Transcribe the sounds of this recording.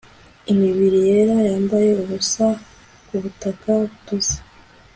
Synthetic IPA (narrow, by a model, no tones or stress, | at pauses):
imiβiɾije̞ɾajaːmbaje̞uβusa | kuβutakautuze̥